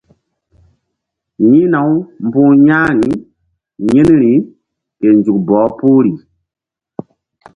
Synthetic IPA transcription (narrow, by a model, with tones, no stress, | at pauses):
ɲĩ˦na˨˦wm̩˨bũ˦ɲa˦ɾi˨˦ | ɲe˦n˦ɾi˨˦ | ke˨n˨d͡ʒu˨k̚bɔː˨˦pu˦ɾi˨